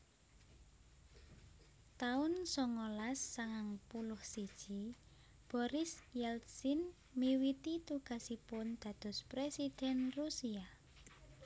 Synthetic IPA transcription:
t̪aʊnsɔŋolasːaŋaŋpulʊhsid̥ʒ̥i | b̥ɔɾɪsjɛlsin | miwit̪it̪uɡ̥a̤sipʊnd̪̥ä̤d̪̥ɔ̤spɾesid̪̥ɛnrusia

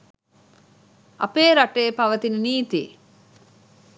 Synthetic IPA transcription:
ɐ̰peːɾaʈeːpaʋət̪inəniːt̪ḭ

